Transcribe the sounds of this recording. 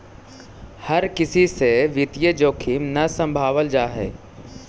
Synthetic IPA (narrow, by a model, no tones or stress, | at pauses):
hɐɾkɪsiseʋɪt̪ijəd͡ʒoːkʰiːmnɐsə̃mbʱaːʋəld͡ʒaːɦḛː